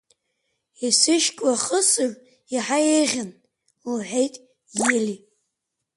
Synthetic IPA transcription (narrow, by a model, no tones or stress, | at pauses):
isɨʃkʼwaχəsɨr | iħajejʁʲan | ħʷejtʼ | jeli